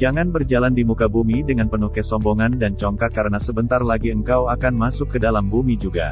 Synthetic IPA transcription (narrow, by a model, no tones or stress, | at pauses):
d͡ʒaŋanbərd͡ʒalandimukabumidəŋanpənukɛsɔmbɔŋandant͡ʃɔŋkakːaɾənasəbənt̪arlaɡiəŋkawakanmasʊkːədalambumid͡ʒuɡa̰